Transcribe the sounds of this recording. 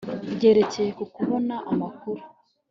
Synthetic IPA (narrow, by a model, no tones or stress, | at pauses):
bɟe̞ːɾe̞ce̞jekukuβo̞naʔamakuɾu̥